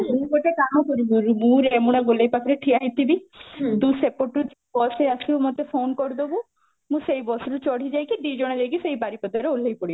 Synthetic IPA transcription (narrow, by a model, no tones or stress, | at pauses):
ukoʈekaɦɔkɔɾibuɾmũɾemuɽ̃aɡolejpak̪ʰɾeʈʰiaɦit̪ibid̪usepoʈud͡ʒ | bɔseasimɔt̪efʰonkɔɾd̪obu | mũsejbɔsɾut͡ʃɔɽ̤id͡ʒajkid̪id͡ʒɔɽ̃ad͡ʒajkisejbaɾipɔd̪aɾeol̤ʱejpɔɽib